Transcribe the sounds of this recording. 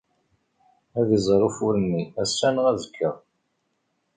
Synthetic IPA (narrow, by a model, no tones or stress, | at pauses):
æðizˤɾˤufʊɾənːiæsːænəʁæðəkʰːəʁ